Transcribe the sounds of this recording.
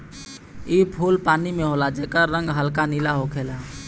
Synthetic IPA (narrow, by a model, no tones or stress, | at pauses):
iːpʰuːlpaːnimẽɦoːlad͡ʒeːkəɾːə̃ŋɡɦəlkanilaɦokʰeːlaː